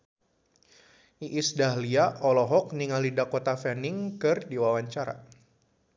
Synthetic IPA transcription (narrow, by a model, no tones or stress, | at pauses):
iʔisdaɦliaʔɔlɔɦɔk̚niŋalidakot̪afɛnɪŋkɨrdiwawaɲt͡ʃaɾa̰